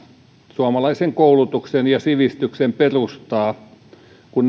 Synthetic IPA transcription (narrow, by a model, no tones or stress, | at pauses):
suɑmɑlɑiseŋkoulut̪uksenjɑsiʋist̪yksemperust̪ɑː | kun